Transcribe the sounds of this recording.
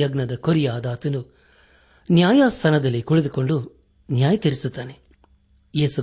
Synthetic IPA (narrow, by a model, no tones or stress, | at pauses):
ɐɡnɐd̪ɐkoɾijaːd̪aːt̪ɐnu | njaːjaːst̪ʰɐnɐd̪ɐlːikuɭed̪uko̞ɳɖu | njaːjɐt̪iɾisut̪ːaːne | jeːsu